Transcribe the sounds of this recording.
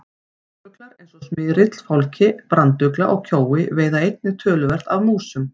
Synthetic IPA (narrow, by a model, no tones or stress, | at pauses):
t̪ʏklaɾejnsɔsmɪːðɾɪt̪l̥fawlcɪpɾant̪ʏklaʔɔɣcʰoːwɪveːjðaejt̪̚nɪt̪ʰœːlʏvɛr̥t̪aðmuːsʏm